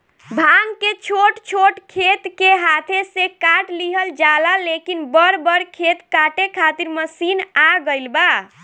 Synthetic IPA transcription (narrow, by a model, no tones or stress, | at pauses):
bʱaŋket͡ʃʰoʈt͡ʃʰoʈkʰet̪keɦat̪ʰesekaʈliɦəld͡ʒalalekinbəɾbəɾkʰet̪kaʈekʰat̪iɾməsinaɡəjlba